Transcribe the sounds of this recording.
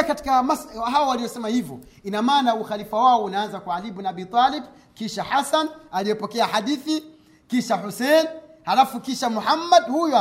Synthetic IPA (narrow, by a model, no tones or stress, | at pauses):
kati̥kamasɦaɔwalijɔsɛmahivjɔ | inamaːnauxalifawaɔunaanzakwaːlibunabiːt̪ˤalɛb | kiʃaħasanalijɛpɔkɛahaɗiθi | kiʃahusɛnhalafukiʃamuħamːadhujɔ